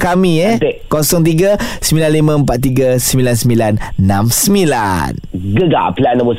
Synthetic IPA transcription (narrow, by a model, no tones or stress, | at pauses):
kamĩɛt̪eʔkosɔŋt̪̬iɡasəmilanlimə̃əmpat̪̚ːiɡasəmilansəmilanːãmsəmila̰nɡəɡa̰planəbɔ